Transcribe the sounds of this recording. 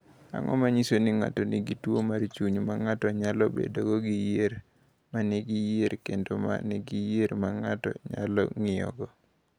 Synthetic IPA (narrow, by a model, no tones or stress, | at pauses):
a̰ŋɔ̰maɲisoniŋa̰toniɡitwomaɾt͡ʃuɲmaŋatɔɲalɔbḛdoɡɔɡijeɾ | maniɡijeɾkendoma̰nɛɡijeɾmaŋatɔ̰ɲa̰lɔŋɪɔ̰ɡɔ